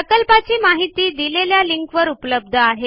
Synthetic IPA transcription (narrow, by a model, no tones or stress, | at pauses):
əkəlpat͡ɕiːmaɦit̪iːd̪ileljaliŋkʋəɾupləb̚d̪ʱəaɦe